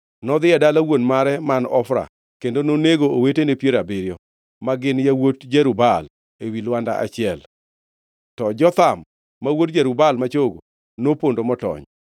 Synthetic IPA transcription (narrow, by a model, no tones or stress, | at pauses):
nɔd̪ɪɛdalawonmaɾɛmanɔfɾa̰ | kendononeɡoowetenepjeɾabɪɾjɔ | maɡɪnjawotd͡ʒeɾubal | ewilwandaʔa̰t͡ʃɪɛl | tɔd͡ʒɔt̪amː | awotd͡ʒɛɾubalmat͡ʃoɡo̰ | nopondomɔtɔ̰ɲ